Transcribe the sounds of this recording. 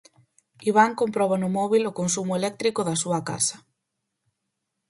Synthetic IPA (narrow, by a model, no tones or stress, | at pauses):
iβaŋkompɾɔβanʊmɔβilʊkonsumʊelɛk̚t̪ɾikʊðɐsuɐka̰sɐ̥